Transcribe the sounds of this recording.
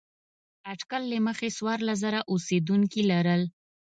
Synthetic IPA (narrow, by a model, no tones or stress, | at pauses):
aʈkalːəməxeswɑɾlazaɾaʔused̪uŋkilaɾəl